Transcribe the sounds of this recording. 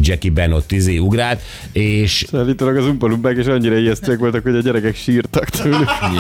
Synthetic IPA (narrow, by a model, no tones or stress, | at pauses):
d͡ʒɛkibɛno̞t̪ːizeːuɡraːlt̪ | eːʃsaːlːiːt̪olɒɡɒzumpɔlumbaːkeːʃɒɲːiɾɒijɛst̪øɛkʋo̞lt̪ɒkhoɟɒɟɛɾɛkɛkʃiːrt̪ɒkt̪ʰeːlyk